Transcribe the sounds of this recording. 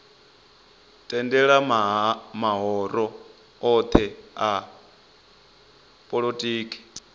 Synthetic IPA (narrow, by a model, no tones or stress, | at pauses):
tʼɛndɛɺa | maɦɔɾɔ | ɔt̪ʰɛa | pʼoɺotʼiːkʼi̥